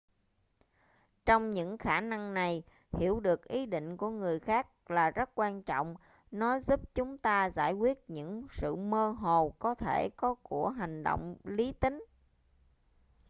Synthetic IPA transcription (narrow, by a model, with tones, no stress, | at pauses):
t͡ɕɔ˧wŋ͡mɲɨ̰˧˥ŋxaː˧˩na˧ŋna˨˩j | hi˧˩əwɗɨ˨˩ək̚ʔi˨˦ɗḭ̈˧˨ŋ̟ku˧˩əŋɨ˨˩əjxaː˦˥k̚laː˨˩zə˦˥t̚kwaː˧nt͡ɕɔ̰˧˨wŋ͡m | nɔ˨˦zu˦˥p̚t͡ɕʊ˨˦ŋ͡mt̪aː˧zaː˧˩jkwi˦˥ət̚ɲɨ̰˧˥ŋsɨ̰˧˨məː˧ɦo˨˩kɔ˨˦t̪ʰe˧˩kɔ˨˦ku˧˩əɦa˨˩ŋ̟ɗo̰˧˨wŋ͡mli˨˦t̪ï˨˦ŋ̟